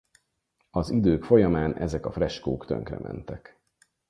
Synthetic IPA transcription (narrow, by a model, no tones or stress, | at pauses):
ɒzid̪øːkfo̞jɒmaːnʔɛzɛkɒfrɛʃkoːkt̪ø̰ŋkrɛ̰mʔɛnt̪ɛk